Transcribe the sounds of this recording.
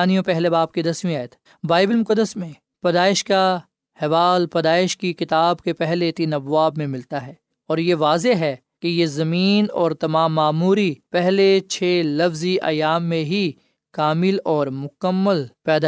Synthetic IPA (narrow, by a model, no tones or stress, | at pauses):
aːnijõpɛɦlebaːb̚ked̪ɐsmĩaːjət̪ʰ | baːɪbəlmʊkəd̪ːəsmẽ | pɐd̪aːɪʃka | hɛʋaːlpɐd̪aːɪʃkikɪt̪aːbkepɛɦlet̪iːnɐbʋaːbmẽmɪlt̪aɦɛː | ɔːɾjeʋaːzeɦɛ | kejezɐmiːnɔːɾt̪ɐmaːmːaːmuːɾipɛɦlet͡ʃʰeːlɐfziʔa̰ːjaːmːẽɦi | kaːmɪlɔːɾmʊkəmːəlpɛːd̪a